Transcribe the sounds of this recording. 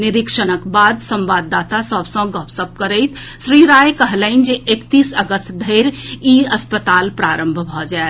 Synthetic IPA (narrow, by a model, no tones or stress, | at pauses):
nɪɾɪkʃənəkbaːd̪sə̃mʋaːd̪aːt̪asəbsə̃ɡɔːpsəp̚kəɾeɪt̪ʃɾiːɾaːjkəɦləɪ̃nd͡ʒiʔekt̪iːsəɡəst̪d̪ʱeːɾiːɐspət̪aːlpɾaːɾə̃mbʱbʱɔd͡ʒae